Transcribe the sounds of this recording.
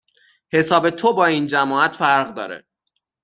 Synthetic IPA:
he̞sɒːbe̞t̪ʰo̞bɒːind͡ʒæmɒːæt̪fæɾɣd̪ɒ̰ːɾḛ

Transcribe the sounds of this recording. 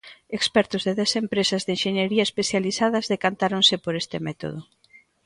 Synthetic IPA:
ekspɛɾt̪ʊzðeðɛsempɾesɐzðenʃeɲeɾiɐespeθjaliθað̞ɐzðekant̪aɾonsɪpoɾest̪ɪmɛt̪o̰ð̞ʊ

